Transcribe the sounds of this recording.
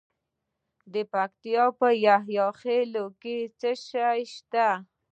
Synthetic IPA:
d̪əpakt̪ijɑpəjaɦjɑxeloket͡səʃajʃt̪a

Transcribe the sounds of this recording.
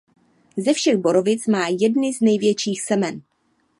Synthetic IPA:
zɛfʃɛɣbo̞ɾo̞vɪt͡smaːjɛdnɪznɛjvjɛt͡ʃiːxsɛmɛn

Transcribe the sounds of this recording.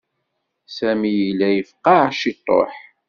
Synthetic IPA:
sæmijilːæjəfqːɑʕʃit̪ˤːo̰ħ

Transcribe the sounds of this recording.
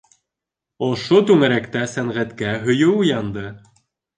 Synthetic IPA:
ŏʃot̪ʉŋæɾækt̪æsæŋʁæt̪kæɦɵ̆jɵujɑnd̪ɤ

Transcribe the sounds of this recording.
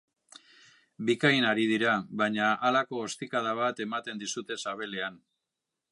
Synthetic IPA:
bikajnaɾiðiɾaβajɲaalako̞ːst̪ikaðaβ̞at̪e̞mat̪e̞nd̪isut̪e̞saβe̞le̞an

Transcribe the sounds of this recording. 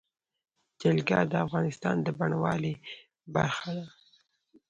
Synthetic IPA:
d͡ʒalɡɑd̪əafɣɑnɪst̪ɑnd̪əbaɳawɑle | ba̰ɾxad̪a

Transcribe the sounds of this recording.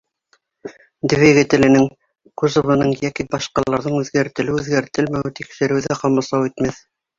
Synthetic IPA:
d̪ɘveɡɘt̪ɘ̆lɘ̆nɘŋ | kuzŏvɤ̆nɤɴjækibɑʃqɑlˠɑɾðɤɴʉðɡæɾt̪ɘ̆lɘʉðɡæɾt̪ɘlmæwɘt̪ikʃɘ̆ɾɘ̆wðæqɑmɑsˠɑwit̪mæθ

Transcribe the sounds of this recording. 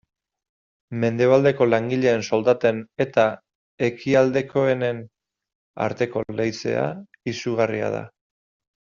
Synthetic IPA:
me̞nd̪e̞β̞ald̪e̞ko̞laŋɡiʎe̞ːnso̞ld̪at̪e̞ne̞t̪a | e̞kʰiald̪e̞kʰo̞e̞ne̞n | a̰ɾt̪e̞ko̞lejt͡se̞̰a̰ | isuɣ̞aria̰ð̞a̰

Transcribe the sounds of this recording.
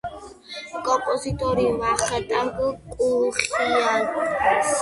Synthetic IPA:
kʼɔpʼɔzit̪ʼɔɾiwaχat̪ʼaŋkʼukʼuɾχia

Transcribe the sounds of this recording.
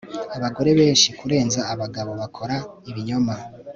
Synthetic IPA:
aβaɡo̞ɾe̞βe̞ːnʃikuɾe̞ːnzaːβaɡaβo̞βakʰo̞ɾaiβiɲo̞ma

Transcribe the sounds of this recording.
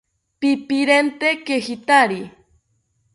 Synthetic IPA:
pipiɾent̪ekehit̪aɾi

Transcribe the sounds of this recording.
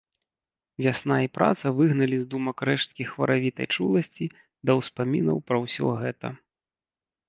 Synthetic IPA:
vʲasnaipɾa̰t̪sɐvɨɣnɐlʲizd̪umɐkɾɛʂt̪̚kʲixvɐ̰ɾavʲit̪ɐ̰jt͡ʂulˠɐsʲt͡sʲi | d̪ɐwspamʲinɐ̰wpɾɐwsʲɔ̰ɣɛt̪ɐ̰

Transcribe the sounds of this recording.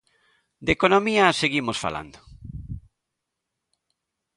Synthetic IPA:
d̪ekonomiaseɣimosfa̰la̰nd̪o

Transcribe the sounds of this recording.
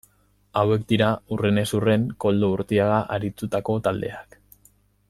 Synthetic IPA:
awe̞k̚d̪iɾaurene̞sure̞ŋko̞ld̪ouɾt̪iaɣaʔaɾit̪ut̪ako̞t̪ald̪e̞̰ak

